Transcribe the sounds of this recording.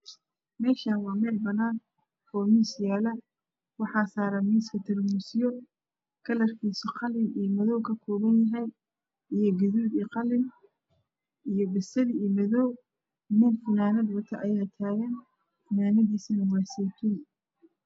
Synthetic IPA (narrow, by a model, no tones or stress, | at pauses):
mɛːʃaːnwɑːmɛːlbɐnaːn | ɔːmiːsjaːlɐ | wɑħɑːsaːɾɐmiːskʰɐt̪ʰɐrmusɪjɔ | kʰɐlɐrkʰiːsɔqɑlɪnijmɐðɔwkʰɐkʰɔːβɐnjɐɦɛj | ʔijɔɡɐðuːd̪iqɑlɪn | ʔijɔbɪsɐðimɐðɔw | mʊmfɪnaːnɐd̪wʊt̪ʰɐʔɐjaːt̪ʰaːɣɐn | ɪnaːnɐðiːsɐnɐwɑːsiːt̪ʰʊn